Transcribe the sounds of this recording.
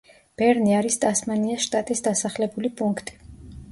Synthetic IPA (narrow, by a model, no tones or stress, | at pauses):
b̥ɛɾniaɾist̪ʼasmaniasʃt̪ʼat̪ʼisd̪asaχlɛbulipʼuŋkʰt̪ʼi̥